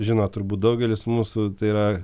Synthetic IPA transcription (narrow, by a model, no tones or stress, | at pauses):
ʒʲɪnoːt̪ʊɾbuːt̪̚d̪ɐʊɡʲɛlʲɪsmuːsʊt̪ɐɪiːɾɐ